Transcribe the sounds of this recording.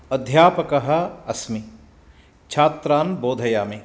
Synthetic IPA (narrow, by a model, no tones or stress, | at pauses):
ɐd̪ʱjaːpɐkɐɦɐ̆ɐsmi | t͡ʃʰaːt̪ɾaːnboːd̪ʱɐjaːme